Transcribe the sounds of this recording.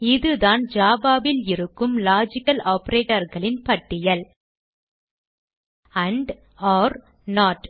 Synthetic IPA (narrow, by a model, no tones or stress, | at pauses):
ɪðɯðaːnd͡ʒaːbaːbɪlɪɾɯkːɯmlaːd͡ʒɪkːɐlaːpɐɾeːʈɐɾɣɐɭɪnpɐʈːɪjɐl | ɐɳɖ | aːɾ | naːʈ